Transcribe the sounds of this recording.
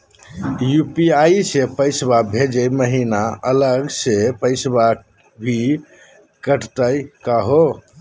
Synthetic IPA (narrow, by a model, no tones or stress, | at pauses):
jupiaisepəɪsbabʱed͡ʒəjməɦinaələɡsepəɪsba | bʱi | kəʈʰt̪əjkaɦo